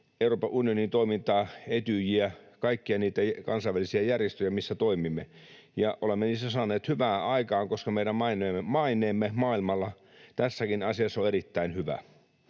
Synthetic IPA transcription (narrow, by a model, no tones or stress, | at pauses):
euroːpɑʔunijonint̪oimint̪ɑːet̪yjiækɑikːiɑniːt̪ækɑnsɑiʋælisiæjærjest̪øjæmisːæt̪oimimːe | jɑʔolemːeniːsːæsɑːneːt̪hyʋæːɑikɑːŋkoskɑmeiɾæmmɑineːmːemɑinˑeːmːemɑːilmɑlːɑ | t̪æsːækinɑsiɑsːoeɾit̪ːæinhyʋæ̰